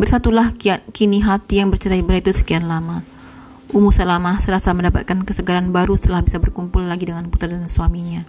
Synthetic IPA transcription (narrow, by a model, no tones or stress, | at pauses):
bərsat̪ulahakiniɦat̪ijaŋbərt͡ʃəɾaibəɾait̪usə̥kianlama | ʔumusalamasəɾasaməndapa̰t̪̚kankəsəɡaɾanbaɾusə̥t̪əlahbisabərkumpʊlːaɡidəŋanput̪ərdansuamiɲa